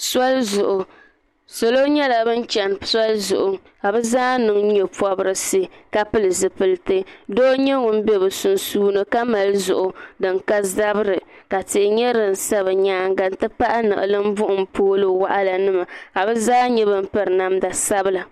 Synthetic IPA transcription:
sa˦lzʊ˨ʔʊ˨ | so˨lo˦ɲɛ˦la˨bɨ˦n˦t͡ʃɛ˨nsa˦lzʊ̰˨ʔʊ˨ | ka˨bɛ˦zaː˦nɨ˨ŋ˦ɲɛ˨pɔ˦bɨ˦ɾɨ˦sɨ˦ka˦pɨ˦lɨ˨zɨ˨pɨ˨ltɨ˦do˦ɲɛ˦ŋʊ˦m˦bɛ˦bɨ˨su˨nsuː˦nɨ˦ka˦ma˨lɨ˦zʊ̰˨ʔʊ˨dɨ˨ŋka˦za˦bɨ˦ɾɨ˨ka˨tɪ˨ʔɪ˨ɲɛ˦ɾɨ˨n̩˨sa˦βɨ˨ɲaː˦ŋɡa˨n˦tɨ˦pa˦ʔa˦nɨ̰˨ʔɨ̰˨lɨ˦m̩˦bʊ˦ʔʊ˨m˦poː˦lo˦wa˦ʔa˦la˨nɨ˦ma˨ka˨bɛ˦zaː˦ɲɛ˦bɨ˦m̩˦pɨ˦ɾɨ˨na˦mda˨sa˦bɨ˦la˨

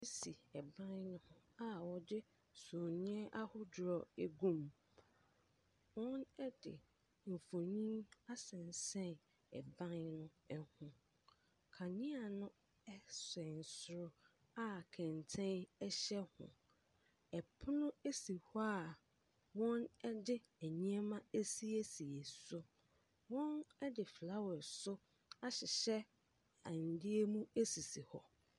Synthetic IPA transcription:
e˦si˨ɛ˨bã˦nnʊ̃˦a˦wɔ˨dɪ˦ | so˨ɲĩ˦ɛ˦ʔa˦hʊ˦dʊ˨ɾɔ˨e˦ɡũ˦m | wɔ̃˦nɛ˦dɪ̰˨ | m̩˨fo˨ɲĩ˦ma˦sɛ̃˨n˨sɛ̃˦n | ɛ̰˨bã˦nːʊ̃˦ | ɛ˦hʊ̃˦ | kʰa˨ɲĩ˦a˨nʊ̃˦ | ɛ˦sɛ̃˨n˨sʊ˦ɾʊ˦ | a˦˨kʰɛ̃˨ntʰɛ̃˦nɛ˦ɕɛ˦hʊ̰̃˨ | ɛ˨pʰʊ˦nʊ̃˦e˦si˨hɔ˦a˨ | wɔ̃˦nɛ˦dɪ˦ | æ˨ɲĩ˦ɛ˦mã˦e˦si˦e˦si˨e˨sʊ˦ | wɔ̃˦nɛ˦dɪ˨fla˦wɔ˨sʊ˦ | a˦ɕɪ˨ɕɛ˦ | ã˨n˨dɪ˦e˦mũ˦e˦si˨si˨hɔ˨

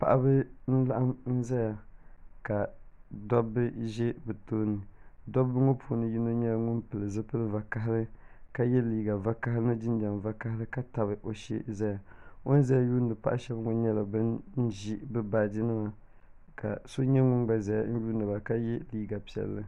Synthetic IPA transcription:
pa̰˨ʔa˦bɨ˦n̩˦la˦ʔa˦mn̩˦za˦ja˨ka˨dɔ˦bːɨ˦ʒɛ˦bɨ˨toː˦nɨ˨dɔ˦bːɨ˦ŋo˦pʰu˦nɨ˦ji˦no˦ɲɛ˦lŋʊ˦npɨ˨lɨ˨zɨ˦pɨ˦lɨ˦va˨ka˦ɦɪ˦lɨ˦ka˦jɛ˦liː˦ɡa˨va˦ka˦ɦɾɨ˦nɨ˦d͡ʒɪ˦n˦d͡ʒa˨m˨va˦ka˦hlɨ˦ka˦ta˨βɨ˨ʔo˨ʃḭ˦za˦ja˨o˦n˦za˦ja˨juː˦n˨dɨ˨pa˦ʔa˦ʃɛ˦bŋɔ˨ɲɛ˦la˨bɨ˦nn̩˦ʒi˦bɨ˦ba˦˨di˦nɨ˦ma˨ | ka̰˨so˦ɲɛ˦ŋʊ˦nɡ͡ba˨za˨ja˦n̩˦juː˦nɨ˨ba˨ka˦jɛ˦liː˦ɡa˨pi˨ɛ̰˨lːɨ˦

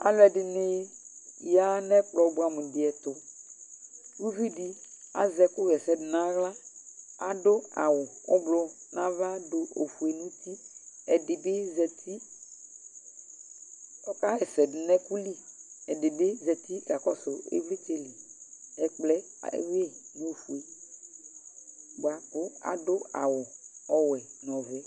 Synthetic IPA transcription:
a̰˨lɛ˨dɪ˨nɪ˦˨ | ja˦nɛ̃˦k͡plɔ˨˦bu˦a˨mẽ˨dɪ˨ɛ˨t̪ʊ˨ | wu˦vi˦di˦a̰˨zɛ˨kʊ˦ɣɛ˨sɛ˦dɪ˨nã˦ɣla˦a̰˨dʊ˦a̰˨wʊ˨ʊ̰˦blɔ˦nã˦va˦do˨o̰˨fu˨e˨nũ˦t̪i˦ɛ˨dɪ˨be˦zɛ˨t̪ʰi˦ | ɔ˦ka˦ɣɛ˨sɛ˨dnɛ̃˦ku˦li˦ɛ˨de˨be˦zɛ˨t̪i˦ɡa˨kɔ˦so˨ḛ˦vle˦t͡ʃe˦li˨ɛ˨k͡plɛ˦ḛ˦we˦˨nũ˦o˨fu˨e˨ | bo˨a˨kʊ˦a̰˨do˦a̰˨wʊ˨ɔ˦wɛ˨nɔ̃˨vɛ˨˦

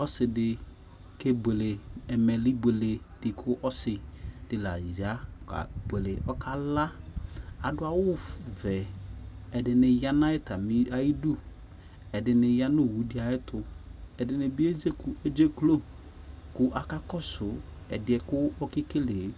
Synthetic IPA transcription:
ɔ˦sɪ˨dɪ˨ | ke˦be˨le˨ɛ˨mɛ˨lɪ˦be˨le˨ | d̥ɪ˨kʰʊ˦ʔɔ˦sɪ˨d̥ɪ˨la̰˨za˦a̰˨be˨le˨ʔɔ˦kʰa˦la˦ | a˨dʊ˦a˦wʊ˦˨vɛ˨ | ɛ˨dɪ˨nɪ˨ja˦na˦ɪ˦ta˨mi˦a˨ji˦du˦ | ɛ˨dɪ˨nɪ˨ja˦nʊ˦˨wu˨dɪ˦a˨jɪ˦tʊ˨ɛ˨dɪ˨nɪ˨bɪ˦e˦ze˦kʊ˨e˦d͡ʒe˦klo˦ | kʊ˦ʔa˨ka˦kɔ˦sʊ˨ɛ˨dɪ˨˦ɛ˨kʊ˦ɔ˦kɪ˦ke˦le˨˦

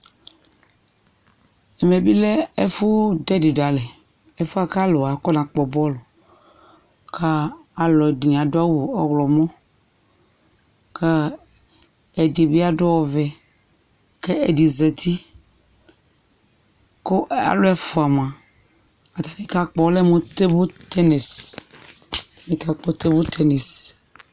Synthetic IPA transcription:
ɛ˨me˨bi˦lɛ˦e˦fu˦dɛ˦de˨ɖa˨lɛ˨ | e˦fo˦a˦ka˦lo˨a˨kɔ˦nã˨k͡pɔ˨bɔ˦lo˨ | kʰa˦a˨lɔ˨di˨a˨do˦a˦wo˨ɔ˦ɣlɔ˨mɔ̃˦ | ka˦ | e˨di˨be˦a˦ɖo˦wɔ˨vɛ˨ | ke˦e˨di˨zɛ˨t̪ʰi˦ | ko˦ʔa̰˨lo˦ɛ˦fo˨a˨m˨a˨ | a˨t̪a˨nĩ˦ka˦k͡pɔ˦lɛ˦mõ˦t̪e˦bo˦t̪ʰɛ˦nɛ˨s | nĩ˦ka˦k͡pɔ˦t̪e˦bo˦t̪ʰɛ˦ne˨s

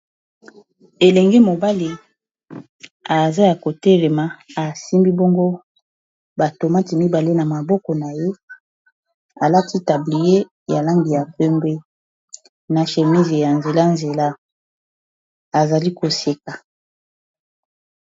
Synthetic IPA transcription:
e˨lɛ˨ŋɡe˦mo˨ba˦li˦ | a˨za˦ja˨ko˨tɛ˦lɛ˨ma˨a˨si˦mbi˦bɔ˦ŋɡo˦ | ba˨to˨ma˦ti˨mi˦ba˨le˦na˨ma˨bɔ˦kɔ˨na˨je˦ | a˨la˦tʰi˦ta˨bli˨je˦ | ja˨la˦ŋɡi˨ja˨pɛ˦mbe˦ | na˨ʃe˨mi˦ze˨ja˨nze˨la˦nze˨la˦ | a˨za˨li˦ko˨se˦ka˨

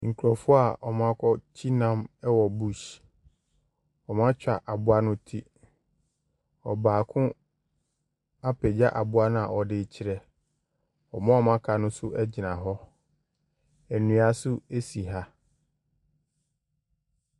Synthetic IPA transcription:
ŋ̩˨kʰu˨ɾɔ˨fʊ˦a˨ɔ˨mã˦kʰɔ˦t͡ɕʰi˦nã˦mɛ˦wɔ˨bu˦ɕ | ɔ˨mã˦t͡ɕᶣa˨ʔa˨bʊ˦a˦nʊ̃˦tʰi˦ | ɔ˨baː˨kʰʊ̃˦ | a˦pʰɛ˨d͡ʑa˦ʔa˨bʊ˦a˦nʊ̃˦a˨ɔ˨dɪ˨t͡ɕʰɪ˨ɾɛ˨ | ɔ˨mã˦ɔ˦mã˦kʰa˨nʊ̃˦sʊ˦ʔɛ˦d͡ʑɪ˨nã˨ɦɔ˦ | ɛ˨nũ˨˦a˨sʊ˦e˦si˨ɦa˦

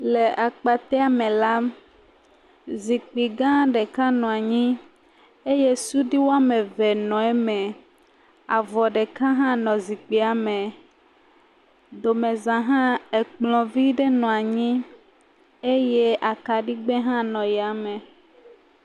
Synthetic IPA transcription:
le˨ʔa˨k͡pa˨t̪ɛ˦a˨mẽ˨la˦ | zi˨k͡pi˨ɡã˦ɖe˨ka˦nɔ̃˨a˨ɲĩ˦ | e˦je˦su˦ɖi˦wo˦a˦me˨vɛ˨nɔ̃˨ɛ˦mɛ̃˨ | a˨vɔ˨ɖe˨kã˦ɦã˦nɔ̃˨zi˨k͡pi˨a˨me˨ | d̪o˨mẽ˨zã˨ɦã˦e˨k͡plɔ̃˨vi˦ɖe˦nɔ̃˨a˨ɲĩ˦ | e˦je˦ʔa˨ka˨ɖi˦ɡ͡be˦ɦã˦nɔ̃˨jɛ˨a˨mẽ˨

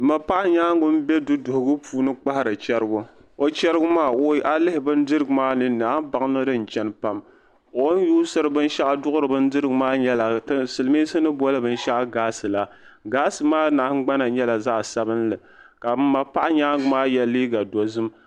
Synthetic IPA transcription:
ma˨pa˦ʔa˦ɲaː˦ŋɡʊ˦m̩˦bɛ˦dʊ˦dʊ˨hʊ˨ɡɨ˦pʰuː˦nɨ˦k͡pa˦ha˦˨ɾɨ˨t͡ʃɛ˦ɾɨ˦ɡʊ˦ | o˦t͡ʃɛ˦ɾɨ˦ɡʊ˦maː˦˨o˦ʔa˦lɪ˦hɪ˨bɨ˦ndɨ˦ɾɨ˦ɡʊ˨maː˦nɨ˦naː˨˦hba˨ŋ˦nɨ˦dɨ˦n̩˨t͡ʃɛ˦n˦pa˦m | o˦n˦juː˦sɨ˦ɾɨ˨bɨ˦n˦ʃa˦ʔa˦dʊ˦ʔʊ˦ɾɨ˨bɨ˦n˦dɨ˦ɾɨ˦ɡɨ˨maː˦ɲɛ˦la˨tsɨ˨lɨ˨˦mi˦sɨ˦nɨ˦bɔ˦lɨ˦bɨ˦n˦ʃa˦ʔa˦ɡaː˦sɨ˨la˨ | ɡaː˦sɨ˨maː˦naː˨hɡ͡ba˦na˨ɲɛ˦la˨zaː˦˨sa˦bɨ˦nlɨ˨ | ka˨˦ma˨pa˦ʔa˦ɲaː˦ŋɡʊ˨maː˦jɛ˨liː˦ɡa˨do˨zɨ˦m

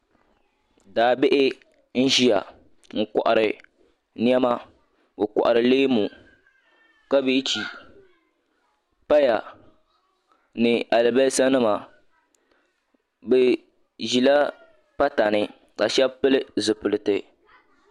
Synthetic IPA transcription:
daː˨bɪ˦ʔɪ˦ | n̩˦ʒi˦ja˨ | ŋ̩˨kɔ̰˨ʔa˨ɾɨ˨ | ni˦ɛ˦ma˦ | bɨ˨kɔ̰˨ʔa˨ɾɨ˨le˦mu˨ | ka˦bi˦t͡ʃi˨ | pa˦ja˨ | nɨ˨a˨lɨ˨bɛ˦sa˦nɨ˦ma˨ | bɛ˨ | ʒi˨la˦ | pa˦ta˨nɨ˦ | ka˨ʃɛ˦bpɨ˦lɨ˦zɨ˨pʊ˨lɨ˨tɨ˨

